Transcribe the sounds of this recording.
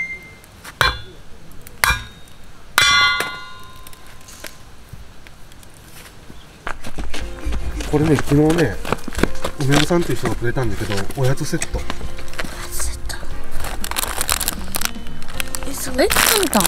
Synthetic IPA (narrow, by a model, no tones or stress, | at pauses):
ko̞ɾe̞ne̞kʲino̞ːne̞ | ɯme̞mɯsãnt̪eiɯ̟çt̪oatɯɾet̪ãnd̪eske̞d̪o̞ojat͡sɨse̞t̪ːojḁse̥t̪ːo̥ | esonet̪ãnt̪a